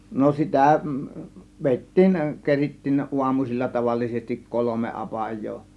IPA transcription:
no sitæˑ ʋeˑitːiːn keritːiːn ʔuɑmusilʲːɑ tɑʋɑlːisestik kolome ɑpɑjˑoː

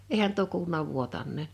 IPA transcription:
ehæn tuo kuːlunɑ ʋuotɑnˑeːn̞

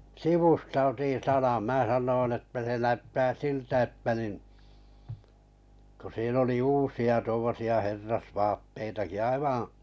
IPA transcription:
siʋustɑ otin sɑnɑn mæː sɑnːoin etːæ se næytːæː siltæ etːæ nin ku siːn oli uːsiɑ tuomːosiɑ herːɑsʋɑːtːeitɑki ɑiʋɑ̃ː

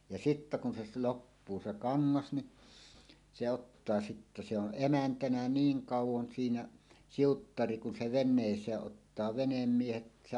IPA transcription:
jɑ sitːæ kun se s lopːuː se kɑŋːɑs ni se otːɑː sitːæ se on ʔemæntænæ niːŋ kɑˑuwˑon siːnæ siutːɑri kun se ʋenˑeˑisˑeː ʔotːɑː ʋenemːiehet se

